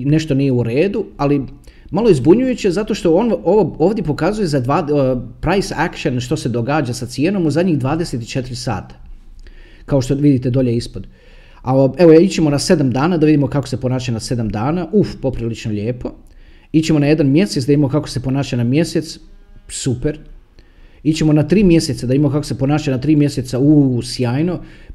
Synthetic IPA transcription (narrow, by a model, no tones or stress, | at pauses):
ne̞ʃt̪o̞nije̞uɾeːd̪uali | malˠo̞izbuɲujut͡ɕiezat̪o̞ʃt̪o̞onoʋoo̞ːʋd̪jepo̞kazuje̞zad̪ʋaːpɾajsakʃenʃt̪ose̞d̪o̞ɡaːd͡ʒasat̪sijeno̞muzad̪ʲɲiɣd̪ʋaːd̪eset̪it͡ʃe̞t̪iɾisa̰ːt̪ḁ | kaoʃt̪oʋid̪it̪e̞d̪o̞ʎeispod̪ | aeʋo̞it͡ɕe̞mo̞nase̞d̪amd̪aːnad̪aʋid̪imo̞kakose̞po̞naːʃanase̞d̪amd̪aːnaʔufpo̞pɾilit͡ʃnoʎeːpo̞ | it͡ɕe̞mo̞naje̞d̪anmje̞set̪d̪aimamokako̞̥se̞po̞naːʃanamje̞set̪ssupe̞ɾ | it͡ɕe̞mo̞nat̪ɾiːmje̞set̪sad̪aimaokako̞se̞po̞naːʃanat̪ɾiːmje̞set̪sausjaːjno